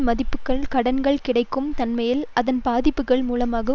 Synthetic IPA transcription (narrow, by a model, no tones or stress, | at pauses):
mɐðɪpːɯkːɐɭkɐɽɐnɡɐɭkɪɽɐɪkːɯmt̪ɐnmɐjɪlʔɐðɐnbaːðɪpːɯɣɐɭmuːlɐmaːɣɐ